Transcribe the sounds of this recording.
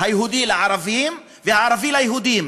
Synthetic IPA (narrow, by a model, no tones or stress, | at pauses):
hajɦud̪ilaʕɑɾˤɑvijiːm | vehaʕɑɾˤɑvilhajɦud̪jiːm